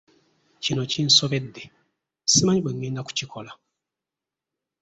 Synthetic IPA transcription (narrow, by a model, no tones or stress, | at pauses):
cino̞cin̩so̞βe̞dːe | simaɲibweŋːeːndaku̥cikʰo̞la